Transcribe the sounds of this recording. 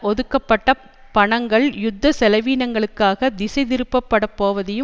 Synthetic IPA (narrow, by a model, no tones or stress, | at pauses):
ɔðɯkːɐpːɐʈːɐ | pɐɳɐŋɡɐɭjʊd̪ʱːɐsɛlɐʋiːnɐŋɡɐɭɯkːaːɣɐd̪ɪsɐɪðɪɾɯpːɐpːɐɽɐpːoːʋɐðɐjɯ